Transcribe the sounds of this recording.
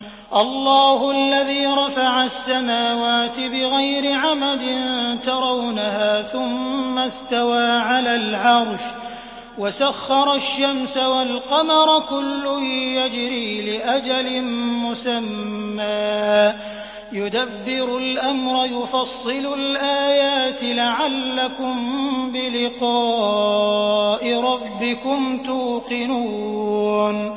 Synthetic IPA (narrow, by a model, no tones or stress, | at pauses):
ʔɑlˤːɑːhʊalːaðiːɾˤɑfaʕasːamaːwaːt̪ɪbɪɣajɾɪʕamad̪ɪnt̪ɑɾˤɑwnahaːθʊmːast̪awaːʕalaːlʕɑɾˤʃ | wasaxːɑɾˤɑʃːamsawalqɑmɑɾˤɑkʊlːʊjad͡ʒɾiːlɪʔad͡ʒalɪnmʊsamːaː | jʊd̪abːɪɾʊlʔamɾˤɑjʊfɑsˤːɨlʊlʔaːjaːt̪ɪlaʕalːakʊmbɪlɪqɑː | ʔɪɾˤɑbːɪkʊmt̪uːqɪnuː | n